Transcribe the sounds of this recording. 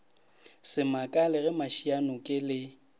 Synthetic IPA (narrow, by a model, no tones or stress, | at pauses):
sɪmakʼalɪɣɛmaʃianɔkʼɪlɪ